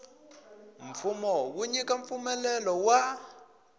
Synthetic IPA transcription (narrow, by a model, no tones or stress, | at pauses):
m̩fumɔwuɲikʼaɱfumɛlɛlɔwa